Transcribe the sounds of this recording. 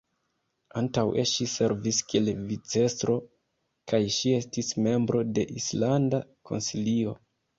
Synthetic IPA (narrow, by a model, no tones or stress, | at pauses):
antaweʃise̞ɾviskie̞lvit͡se̞stɾo̞ | kajʃie̞stisme̞mbɾo̞de̞ʔislandako̞̰nsilio̞